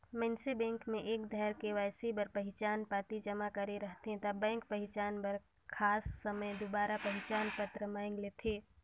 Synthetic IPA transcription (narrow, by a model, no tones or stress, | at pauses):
mɛ̃nsebɛ̃ːŋkmẽʔeːkd̪ʱɛɾkeʋaːsibəɾpəɦɪt͡ʃaːnpaːt̪id͡ʒəmakəɾeɾəɦt̪ɦɛ̃t̪ɐbɛ̃ːŋk̚pəɦɪt͡ʃaːnbəɾ | kʰaːsːəməjd̪obaːɾapəɦɪt͡ʃaːnpət̪ɾəmaːɪ̃ŋɡleːt̪ʰeː